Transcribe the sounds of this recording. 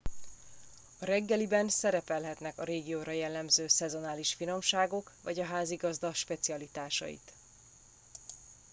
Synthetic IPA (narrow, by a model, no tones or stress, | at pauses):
ɒɾɛɡːɛlibɛnsɛɾɛpɛlɦɛt̪nɛkɒɾeːɡijoːɾɒjɛlːɛmzøːsɛzo̞naːliʃfino̞mʃaːɡo̞kvɒɟɒɦaːziɡɒzd̪ɒʃpɛt̪siɒlit̪aːʃɒ̰jḭt̪